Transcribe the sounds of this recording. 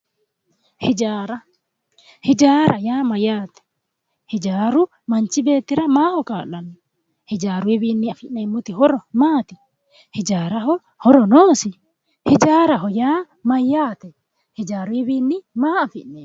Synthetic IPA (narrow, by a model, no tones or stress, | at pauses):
hid͡ʒaːɾa | hid͡ʒaːɾʔajaːmajaːt̪ɛ̥ | hid͡ʒaːɾu | maɲt͡ʃibeːt̪iɾamaːhɔkaːlanːu | hid͡ʒaːɾuɛbinːiafiʔnemːut̪ihɔɾɔmaːt̪i | hid͡ʒaːɾaɦɔ | hɔɾɔnoːsi | hid͡ʒaːɾaɦɔjaː | majːaːt̪ɛ | hid͡ʒaːɾuɛbinːimaːafiʔne